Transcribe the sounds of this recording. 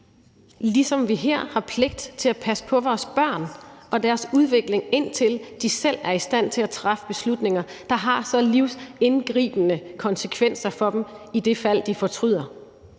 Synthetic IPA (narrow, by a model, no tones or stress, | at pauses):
lisɒ̽mʋiɦɛɐ̰hɑ̈pʰle̝ɡ̥̚d̥t͡sʰe̝læpʰæsə̥pʰɒ̽ʋɒːsb̥ɶɐ̰nɒ̽d̥æɐsuð̞ˠʋe̝ɡ̥le̝ŋe̝n̰t͡sʰe̝ld̥isel̰æɐisd̥æn̰t͡sʰe̝læt͡sʰʁɑ̈fə̥b̥e̝slud̥ne̝ŋɐd̥ɑ̈ɦɑ̈sɒ̽liʊ̰se̝nɡ̥ʁḭːb̥ənəkʰɒ̽nsəkʰʋen̰sɐfɒ̽d̥m̩id̥e̝fæl̰d̥ifɒ̽t͡sʰʁyð̰ˠɐ